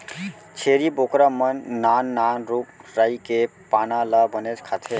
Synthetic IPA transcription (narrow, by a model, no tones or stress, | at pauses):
t͡ʃʰeɾibokɾəmənːanːanɾuk̚ɾaikepanaləbənet͡ʃkʰat̪ʰe